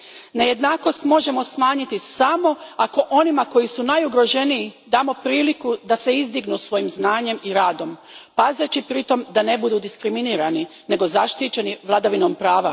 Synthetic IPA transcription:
ne̞je̞d̪naːko̞st̪mo̞ʒe̞mo̞smaːɲit̪isamo̞ako̞ʔo̞nimako̞jisunajuɡɾo̞ʒe̞niːd̪aːmo̞pɾiːlikud̪ase̞izd̪iɡnusʋo̞jimznaːɲe̞miɾaːd̪o̞mpazet͡ɕipɾit̪o̞md̪ane̞bud̪uːd̪iskɾiminiːɾanine̞ɡo̞zaʃt̪it͡ʃe̞niʋlˠad̪aʋinompɾaːʋa

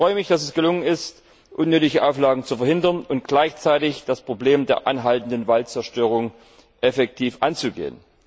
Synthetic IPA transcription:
fʁɔʏəmɪçd̥as̬ɛsɡ̥əlʊŋənɪst | ʔʊnːøːtɪçəʔaʊflaːɡŋ̩t͡sufɛɐhɦɪndɐnʊnt̚ɡ̥laɪçt͡saɪtɪçd̥aspʁ̥obleːmdeːɐʔa̰nɦaltn̩dənvaltt͡sɛɐʃtøːʁ̞ʊŋ | ʔɛfɛk̚tʰiːfʔa̰nt͡suɡḛːən

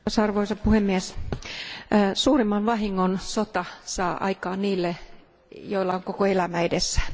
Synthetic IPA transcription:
sɑrʋoisɑppuhemːiæs | suːrimːɑnʋɑhiŋːonsot̪ɑsɑːʔɑ̰ikɑːnniːlːe | joilːɑoŋkokoelæmæedesːæ̥

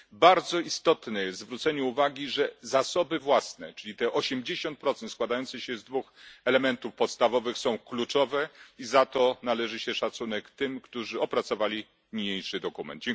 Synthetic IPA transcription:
baɾd̪zɔist̪ɔt̪nɛjɛst̪zvɾut̪sɛɲɛuvaɡʲiʐɛzasɔbɘvwasnɛt͡ʂɘlʲit̪ɛʔɔɕɛmd͡ʑeɕɔnt̪̚pɾɔt̪sɛnt̪skwad̪ajɔnt̪sɛɕɛzd̪vuxɛlɛmɛnt̪ufpɔt̪st̪avɔvɘxsɔ̃w̃klut͡ʂɔvɛizat̪ɔnalɛʐɘɕɛʂat̪sunɛkt̪ɘmkt̪uʐɘɔpɾat̪sɔvalʲi | mʲiɲejʂɘd̪ɔkumɛ̰nd̪̚d͡ʑɛŋ

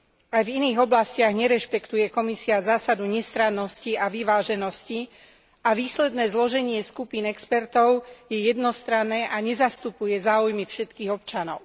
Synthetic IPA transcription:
ajviniːɣɔblascɪaɣɲɛɾɛʃpɛkt̪ujɛkɔmisiazaːsad̪uɲɛst̪ɾanːɔsciaʋiʋaːʒɛnɔsci | aʋiːslɛd̪nɛːzlɔʒɛɲɪɛskupiːnɛkspɛɾt̪ɔʊjɛjɛd̪nɔst̪ɾanːɛːʔaɲɛzast̪upujɛzaːujmifʃɛt̪kiːɣɔpt͡ʃanɔʊ

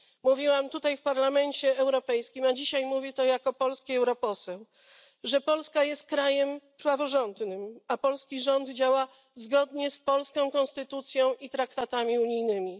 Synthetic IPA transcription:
muvʲiwamt̪ut̪ajfpaɾlamɛɲt͡ɕɛɛwɾɔpɛjskʲimad͡ʑiɕajmuvʲit̪ɔjakɔpɔlskʲiɛwɾɔpɔsɛw | ʐɛpɔlskajɛst̪̚kɾajɛmpɾavɔʐɔnd̪nɘmapɔlskʲiʐɔnd̪d͡ʑawa | zɡɔd̪ɲɛspɔlskɔ̃w̃kɔ̃ñst̪ɘt̪ut̪sʲjɔ̃w̃ʔit̪ɾakt̪at̪amʲiuɲijnɘmʲi

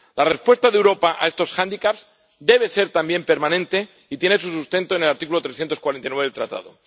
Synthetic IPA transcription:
larespwest̪aðewɾo̞paʔa̰est̪o̞sxand̪ikaps | d̪e̞β̞e̞se̞ɾt̪ambje̞mpe̞ɾmanẽ̞nt̪e̞ | it̪je̞nesusust̪e̞nt̪one̞laɾt̪ik̬ulo̞t̪ɾesθjent̪oskwaɾent̪ajnweelt̪ɾa̰t̪a̰ðo

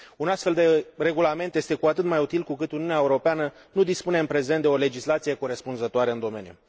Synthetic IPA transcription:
unast̪fe̞ld̪e̞re̞ɡulament̪jest̪e̞kuat̪ɨt̪majut̪ilkukɨt̪uniuneaeuɾo̞peanə | nud̪ispune̞ɨnpɾe̞ze̞nt̪̚d̪e̞o̞le̞d͡ʒislat̪sije̞ko̞ɾespunzət̪oaɾeɨnd̪o̞me̞̰njṵ

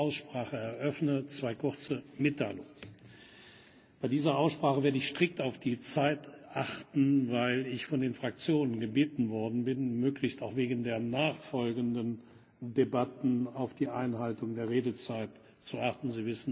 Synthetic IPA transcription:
aʊsʃpʁ̥aːχəɛɐʔœfnət͡sv̥aɪkʰʊʁt͡səmɪtʰːaɪlʊŋ | b̥aɪdiːzɐʔaʊsʃpʁ̥aːχəveːɐdəɪçʃtʁ̥ɪk̚taʊfd̥iːt͡saɪtʔaχtn̩vaɪlɪçfɔndeːnfʁ̥ak̚t͡sjoːnənɡəbeːtn̩vɔɐdn̩bɪnmøːklɪçstaʊxv̥eːɡn̩deːɐnaːχfɔlɡən̩dən | debatn̩aʊfd̥iːʔa̰ɪnɦaltʊŋdeːɐʁeːdət͡saɪt | t͡suʔaχtn̩ziːvɪsn̩

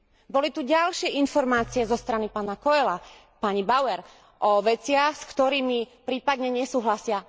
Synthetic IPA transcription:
bɔlit̪uɟalʃɪɛinfɔɾmaːt͡siɛzɔst̪ɾanipaːnakɔɛla | paɲibaʊɛɾ | ʔɔʋɛt͡sɪaxskt̪ɔɾiːmipɾiːpad̪ɲɛɲɛsuːɦlasɪa

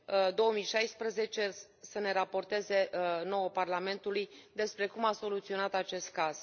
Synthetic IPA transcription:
d̪o̞omijʃajspɾəze̞t͡ʃe̞ | səne̞ɾapo̞rt̪e̞ze̞no̞woparlame̞nt̪ulujd̪e̞spɾe̞kumaso̞lut̪sio̞nat̪at͡ʃe̞st̪̚kaz̥

